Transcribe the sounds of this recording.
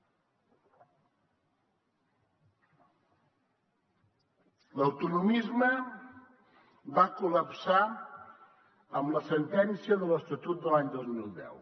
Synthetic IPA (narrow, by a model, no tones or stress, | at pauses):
ləwt̪unumizmə | βakuləpsa | əmləsənt̪ɛnsiəðələst̪ət̪ut̪̚d̪əlaɲd̪ɔzmilˠd̪ɛ̰w